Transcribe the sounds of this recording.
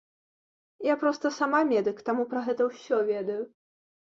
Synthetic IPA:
japɾɔst̪ɐsamamʲɛd̪ɨkt̪amupɾɐɣɛt̪ɐwsʲɔvʲɛd̪ɐju

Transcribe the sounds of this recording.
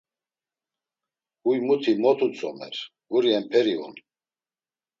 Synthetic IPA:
hujmut̪ʰimɔt̪ʰut͡sʼɔmɛ̰ɾ | ɡuɾiɛmpʰɛɾiṵn

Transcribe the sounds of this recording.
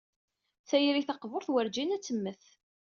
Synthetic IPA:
θæjɾiθɑqvoɾθwəɾd͡ʒinæt͡sːəmːəθ

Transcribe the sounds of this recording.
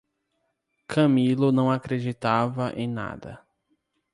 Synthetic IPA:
kʰɐ̃milʊnɐ̃w̃akɾed͡ʒit̪avɐʔḛ̃j̃na̰d̪ɐ̰

